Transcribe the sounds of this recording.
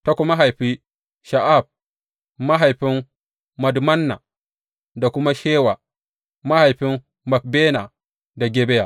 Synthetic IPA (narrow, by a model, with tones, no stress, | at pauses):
ta˦ku˦ma˦ɦa˨jɸi˦ | ʃa˨ʔa˦˨b̚ | ma˦ɦa˨jɸi˦n | ma˨dma˦nːa˨ | da˨ku˦ma˦ʃeː˦wa˨ | ma˦ha˨jɸi˦n | ma˨k̚be˦na˨ | da˨ɡʲe˦bɛ˦ja˨